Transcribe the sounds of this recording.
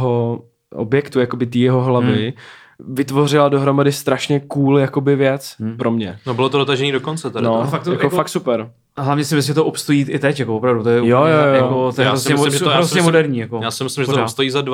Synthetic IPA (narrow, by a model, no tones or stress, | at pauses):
ɦo | ʔo̰bjɛkt̪ujakobɪt̪iːjɛɦoɦlavɪ | vɪt̪vo̞r̝ɪlado̞ɦɾo̞madɪst̪ɾaʃɲɛkuːljako̞bɪvjɛt͡spɾo̞mɲɛnobɪlot̪odot̪aʒɛɲiːdokont͡sɛt̪ɛdnofakt̪jakoak̚t̪supɛɾ | ɦlavɲɛsɪmɪs̬ɪmʒɛt̪oʔopst̪ojiːʔɪt̪ɛcjakoopɾavdut̪ojɛjojojojakot̪ojɛaɾosɛmʒɛɾozɲɛmodɛɾɲiːjakojaːsɪmɪslɪmʒɛt̪st̪ojiːzad